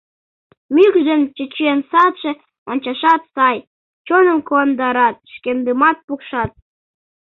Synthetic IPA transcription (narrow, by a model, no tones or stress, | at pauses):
mykd̪ənt͡ɕət͡ɕensɑt̪ʃĕ | onʲt͡ɕɑʃɑt̪sɑj | t͡ɕonəmkond̪ɑɾɑt̪̚ʃkemd̪ɨmɑt̪̚pukʃɑt̪̚